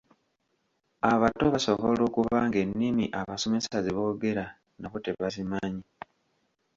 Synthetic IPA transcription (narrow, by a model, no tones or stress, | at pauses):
aβatːoβasoβolo̞ːkuβaŋɡe̞nːimiʔaβaso̞me̞sazeβo̞ːɡe̞ɾa | naβote̞βazimaɲi